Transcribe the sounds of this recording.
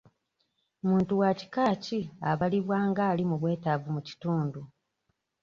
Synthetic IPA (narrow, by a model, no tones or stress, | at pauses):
muːntuwaci̥kaːciaβaliβwaːŋɡaːlimuβwe̞ːtavumuci̥tuːndu